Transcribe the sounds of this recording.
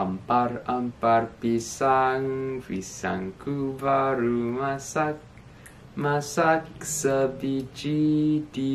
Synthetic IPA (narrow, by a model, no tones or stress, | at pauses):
amparamparpisaŋvisa̰ŋkubaɾumasak | masaksəbid͡ʒid̪i